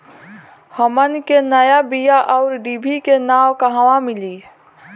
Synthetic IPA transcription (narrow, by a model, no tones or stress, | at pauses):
həmənkenəjabijaʔɔʊɾɖibʱikenaːwkəɦãʋãmɪli